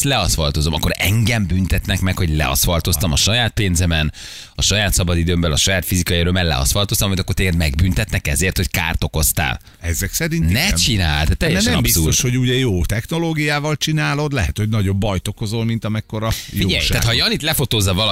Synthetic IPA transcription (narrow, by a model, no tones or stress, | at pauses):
lɛɒsʋɒlt̪o̞zo̞mɒ̰kːo̞ɾɛ̰ŋɡɛmbynt̪ɛt̪nɛkmɛkho̞ɟlɛ̰ɒ̰sʋɒlt̪o̞st̪ɒmɒʃɒjaːt̪̚peːnzɛmɛn | ɒʃɒjaːt̪sɒbɒd̪id̪øːmbɛlɒʃɒjaːt̪fizikɒiøɾømɛlɛ̰ɒ̰sʋɒlt̪ost̪ɔmit̪ɒkort̪eːɡɛd̪mɛɡbynt̪ɛt̪nɛkɛzeːrt̪ho̞cka̰ːrt̪o̞ko̞st̪a̰ːl | ɛzɛksɛɾinnɛt͡ʃinaːlt̪aːt̪ːɛjɛɛnɛɒbist̪oʃho̞ɟuːɟɛjoːt̪ɛxno̞loːɡijaːvɒlt͡ʃinaːlo̞d̪lɛɦɛt̪ho̞ɟnɒɟo̞bːɒjt̪o̞ko̞zo̞lmint̪ɒmɛkːo̞ɾɒjioɟɛ̰j̪aːt̪hɒjɒnit̪lɛfo̞t̪oːzːɒvɒl